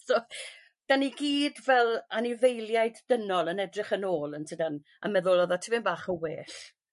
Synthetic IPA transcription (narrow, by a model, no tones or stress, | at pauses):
soː | d̥aniɡiːdvɛlˠanɪvejlˠjajdːənɔlˠənɛdrɪχənoːlˠəntʰədan | ə̰mɛðʊlˠɔðɔtʰivɪmbaːχəweːɬ